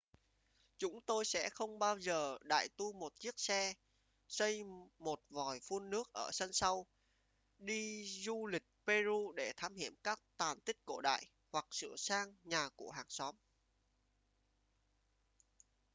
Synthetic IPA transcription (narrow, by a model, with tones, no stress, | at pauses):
t͡ɕʊ˨˦ŋ͡mt̪o˧jsɛ̰˧˥xə˧wŋ͡mɓaː˧wzəː˨˩ɗa̰ː˧˨jt̪u˧mo˨˩t̚t͡ɕi˦˥ək̚sɛ˧ | sə˧jmo˨˩t̚vɔ˨˩jfu˧ənːɨ˦˥ək̚ʔəː˧˩sə˧nsa˧w | ɗi˧zu˧lï˨˩k̟̚pe˧zu˧ɗe˧˩t̪ʰaː˧mhḭ˧˩əmkaː˦˥k̚t̪aː˨˩nt̪ï˦˥k̟̚ko̰˧˩ɗa̰ː˧˨j | hwa˨˩k̚sɨ̰˧˩əsaː˧ŋɲaː˨˩ku˧˩əɦaː˨˩ŋsɔ˨˦m